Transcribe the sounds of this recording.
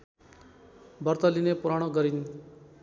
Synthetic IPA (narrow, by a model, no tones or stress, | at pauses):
bʌrt̪ʌlinepuɾaɽ̃ʌɡʌɾin